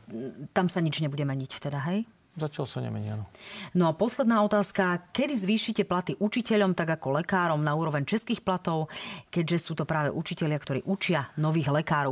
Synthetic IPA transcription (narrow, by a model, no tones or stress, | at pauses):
t̪amsaɲid͡ʒɲɛbuɟɛmɛɲict̪ɛd̪aɦɛj | zacalsaɲɛ̰mɛ̰ɲɪanɔnɔapɔslɛd̪naːɔt̪aːskakɛd̪izʋiːʃicɛplat̪iʔut͡ʃicɛʎɔmt̪aɡakɔlɛkaːɾɔmnauːɾɔʋɛɲt͡ʃɛskiːxplat̪ɔʊkɛɟʒɛsuːt̪ɔpɾaːʋɛ̰ʔut͡ʃicɛʎɪakt̪ɔɾḭːʔut͡ʃɪanɔʋiːɣlɛkaːɾɔʊ